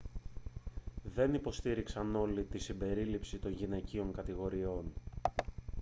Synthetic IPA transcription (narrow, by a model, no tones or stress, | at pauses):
ðe̞nipo̞st̪iɾiksɐno̞lit̪isimbe̞ɾilipsit̪o̞nʝine̞cio̞ŋkɐt̪iɣo̞ɾio̞n